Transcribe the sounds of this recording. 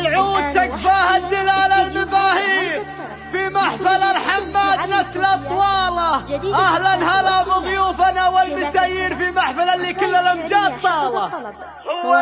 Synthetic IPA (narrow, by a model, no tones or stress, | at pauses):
lʕuːd̪̚t̪akfaːhad̪ːɪlaːlalmabaːhiːɾ | fimaħfalalħamːaːd̪nafslt̪ˤːwɑːlɑʔahlanhalamɪɣjuːfanawalmɪsaːjiːɾfimaħfalalːikɪlːalamd͡ʒaːt̪ˤːɑːlɑ